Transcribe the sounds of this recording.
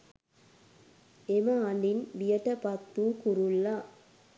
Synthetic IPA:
emɐaninʋijɐʈɐpɐt̪ːukuɾulːa

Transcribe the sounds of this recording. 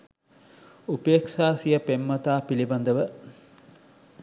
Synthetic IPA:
upeːkʃaːsijəpemːɐt̪aːpiliband̪əʋə

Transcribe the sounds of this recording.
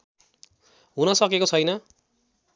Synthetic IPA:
ɦunʌsʌkekot͡sʰʌjnʌ

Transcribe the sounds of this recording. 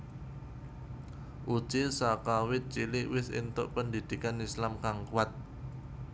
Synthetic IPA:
ʔud̥ʒ̥esakawɪt̪̚t͡ʃilɪʔwɪsɪ̰nt̪ʊ̰ʔpənd̪id̪̥i̤kanislamkaŋkuwat̪̚

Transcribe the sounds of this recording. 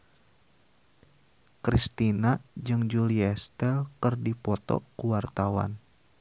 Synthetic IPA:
kɾist̪inad͡ʒɨŋd͡ʒuliɛst̪ɛlkɨrdipɔt̪ɔ̰kuwart̪awa̰n

